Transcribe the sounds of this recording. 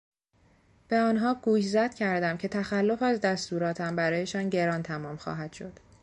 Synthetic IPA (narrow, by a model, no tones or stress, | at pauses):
b̥e̞ɒːnɦɒːɡuːjzæd̪̥cʰæɾd̪æmcʰe̞t̪ʰæxælːo̞fæzd̪æst̪uːɾɒːt̪ʰæmbæɾɒːje̞ʃɒːnɟe̞ɾɒːnt̪ʰæmɒːmxɒ̰ːɦæd̪̥ʃo̞d̪̥